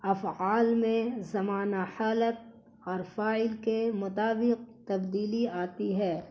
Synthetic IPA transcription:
ɐfʕaːlmẽzɐmaːnahaːlət̪̚ | ɔːɾfaːɪlkemʊt̪aːbɪq̚t̪ɐbd̪iːliaːt̪iɦɛː

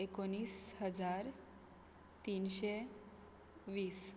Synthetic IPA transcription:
ekoniːshəd͡zaɾ | t̪inɕe | ʋiːs

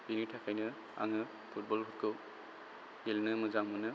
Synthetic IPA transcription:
binitʰakʰajnɯ | a̰ŋɯ | pʰut̚bɔlbʰut̚kʰɯ | elnɯmɯzaŋmɯnɯ

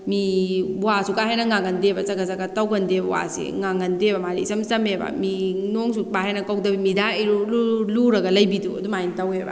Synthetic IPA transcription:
miwasukaɦejnɐŋaŋɐndebɐzɐɡazaɡatɐwɡɐndebɐwa̰sḭŋaŋɐndebɐmaɾisɐmsɐmebɐ̰minoŋsubaɦenɐkawdɐbimidaiɾululuɾɐɡɐlɐjbiduɐ̰dumajntɐwebɐ̰

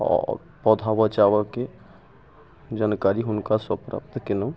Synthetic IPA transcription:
ɔ̰ɾ | pɔd̪ʱabət͡ʃaʋəke | d͡ʒankaɾiɦʊnkasəpɾa̰p̚t̪ʰkenəm

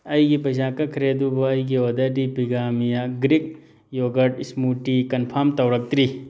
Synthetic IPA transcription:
ɐjɡipɐd͡ʒãːkɐkʰɾeːd̪uboɐjɡiod̪ɐɖipiɡaːmijaɡɾik̚ | joːɡɐʈismuːʈikɐnpʰaːmt̪ɐwɾɐk̚t̪ɾi

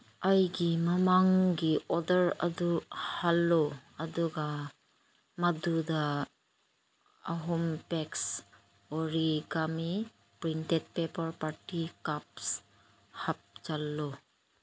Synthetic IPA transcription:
ajɡimamaŋɡiɔdəɾa̰duhalːɔaduɡa | maduda | aɦɔmpɛks | ɔɾiɡami | pɾintet̚pepɔɾpaɾtikap̚s | hap̚t͡ʃalːɔ

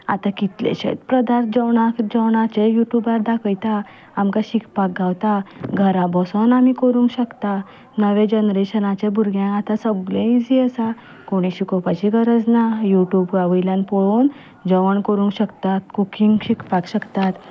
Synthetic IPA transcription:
a̰t̪akit̪lḛɕḛt̪pɾəd̪aɾt̪̚d͡ʑəwɳakd͡ʑəwɳat͡ɕejuʈjubaɾd̪akʰəjt̪a | amkaɕikpak̚ɡʱawt̪aɡʱəɾabɔsənamikəɾũŋkɕəkt̪a | nəʋẽd͡ʑənɾeɕənat͡ɕẽbʱuɾɡjãnat̪ãsəblẽid͡ziəsa | koɽ̃iɕikɔpat͡ɕiɡəɾəd͡znajuʈjubkaʋəjljãnpɔɭon | d͡zəʋəɳkəɾũŋkɕəkt̪at̪kukiŋɡɕikpakɕəkt̪at̪

